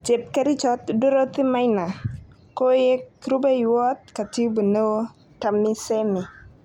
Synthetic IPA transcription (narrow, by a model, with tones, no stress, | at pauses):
t͡ʃe˨p̚kɛ˦ɾɪ˦t͡ʃɔ˦t̪du˦ɾo˦t̪ɪ˦ma˦jna˨ | ko˦je˦kɾʊ˦be˦jwɔ˦t̪̚ka˨ti˦bu˨no˦ | ta˨mːɪ˦se˦mɪ˨